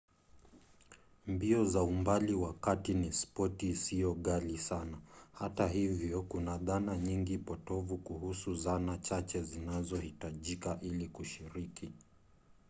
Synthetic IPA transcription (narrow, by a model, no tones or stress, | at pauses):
mbiɔzaumbaliwakatinispɔtiːsiɔɠalisanahatahivjɔkunaðanaɲiŋɡipɔtɔvukuhusuzanat͡ʃat͡ʃɛzinazɔhitaʄikaʔilikuʃiɾikʰi